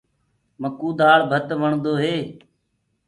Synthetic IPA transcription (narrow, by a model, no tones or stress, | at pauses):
məkuːd̪aːɽbʱət̪ʋəɳd̪oːɦeː